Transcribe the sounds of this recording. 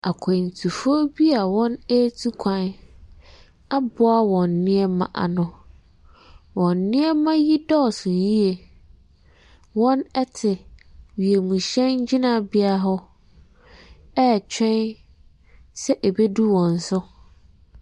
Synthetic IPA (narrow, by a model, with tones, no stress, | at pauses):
a˨kʰɛ̃˨n̩˨tʰu˨fo˦bi˦a˨wɔ̃˦nɛ˦tʰu˦kʷʰã˨n | a˦bʊ˦a˦wɔ̃˨nː˨ɪ̃˦ɛ˦mã̰˨ʔa̰˨nʊ̃˨ | wɔ̃˨nː˨ɪ̃˦ɛ˦mã˦ji˦dɔ˦˨sʊ̃˨n˨ji˦e˨ | wɔ̃˦nɛ˦tʰɪ˨ɥi˨e˨mũ˨ɕɛ̃˦nɲ̩˦d͡ʑɪ˦nã˨bi˦a˦˨ɦɔ˦ | ɛ˦˨t͡ɕᶣɛ̃˦n | sɛ˦ʔe˨be˦du˦wɔ̃˨n̩˨sʊ˦